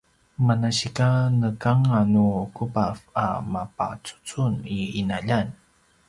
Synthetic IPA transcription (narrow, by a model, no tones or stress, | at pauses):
manaɕikanəkaŋanukupafa̰mapa̰t͡su̥t͡suniinaʎan